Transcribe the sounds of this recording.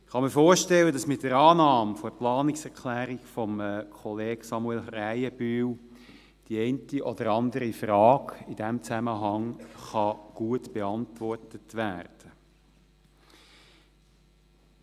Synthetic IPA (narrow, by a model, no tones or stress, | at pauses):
ɪχɑməfoːɾʃtɛlːədɑsmɪtːəɾɑːnɑːmfoəplɑːnɪksɛʁkʰlæːɾiɡfɔmkʰɔleːɡ̥sɑmuɛlræɪəbyːw | d̥iɛɪntiʔɔdəɾɑndəɾifrɑːɡid̥æmt͡sæməɦɑŋχɑɡ̥uətb̥eɑntʋɔrtətʋæːɾd̥ə